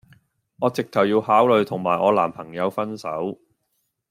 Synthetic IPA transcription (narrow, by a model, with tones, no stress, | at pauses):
ɔː˨˧t͡sɪ˨k̚t̪ʰɐ˨˩wjiː˧whaː˨˥wlɵ˨˧ɥt̪ʰʊ˨˩ŋmaː˨jʔɔː˨˧la̰ː˨˩mpʰɐ˨˩ŋjɐ˨˧wfɐ˥nsɐ˨˥w